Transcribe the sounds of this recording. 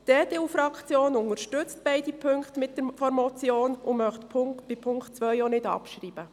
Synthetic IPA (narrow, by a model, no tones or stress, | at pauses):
d̥eːt̪eːufɾɑkχt͡sjoːnʊnəɾʃtʏt͡stb̥ɛɪdipʰʏŋktmɪt̚d̥əɾfɔɾmɔt͡sjoːnʊmœχtpʰb̥ɪpʰʊŋktt͡sʋœjɔnɪdɑ̰pʃɾiːb̥ə